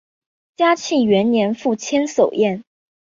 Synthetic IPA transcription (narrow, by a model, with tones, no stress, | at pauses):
t͡ɕja˥t͡ɕʰi˥˩ɥɛ˧˥nnjɛ˧˥nfu˥˩t͡ɕʰjɛ˥nso˨˩ʊjɛ˥˩n